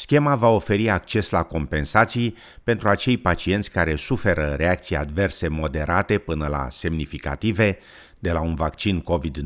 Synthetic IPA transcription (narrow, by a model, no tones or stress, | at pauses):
skʲe̞mavao̞fe̞ɾiak̚t͡ʃe̞slako̞mpe̞nsat̪sij | pe̞nt̪ɾuat͡ʃe̞jpat͡ʃie̞nt̪sʲkaɾe̞sufe̞ɾəɾe̞akt̪sija̰d̪ve̞rse̞mo̞d̪e̞ɾʔat̪e̞pɨnəla̰se̞mnifika̰t̪ive̞ | d̪e̞launvakt͡ʃinko̞vid̪